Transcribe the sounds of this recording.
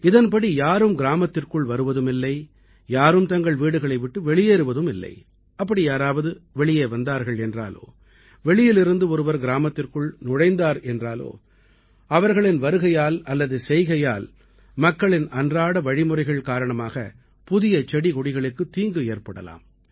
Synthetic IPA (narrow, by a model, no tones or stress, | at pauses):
ɪðɐnpɐɽijaːɾɯmɡɪɾaːmɐt̪ːɪrkɯɭʋɐɾɯʋɐðɯmɪlːɐɪ | jaːɾɯmt̪ɐŋɡɐɭʋiːɽɯɣɐɭɐɪʋɪʈːɯʋɛɭɪjeːɾɯʋɐðɯmɪlːɐ̰ɪ | ɐpːɐɽijaːɾaːʋɐðɯʋɛɭɪjeːʋɐnd̪aːɾɣɐɭɛndra̰ːlo̰ː | ʋɛɭɪjɪlɪɾɯnd̪ɯɔɾɯʋɐɾɡɪɾaːmɐt̪ːɪrkɯɭnʊɽɐɪnd̪aːɾɛndraːlo̰ː | ɐʋɐɾɣɐɭɪnʋɐɾɯɣɐjaːlɐlːɐðɯsɛjɣɐjaːl | mɐkːɐɭɪnɐndraːɽɐʋɐɻɪmɯrɐɪɣɐɭkaːɾɐɳɐmaːɣɐ̰ | pʊðɪjɐt͡ʃɛɽiɣɔɽɪɣɐɭɯkːɯt̪ːiːŋɡɯeːrpɐɽɐ̰la̰ːm